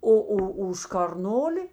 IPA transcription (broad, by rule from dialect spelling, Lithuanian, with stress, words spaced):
ˈoː ˈoː ʊʃ kɐrˈnoːlʲɪ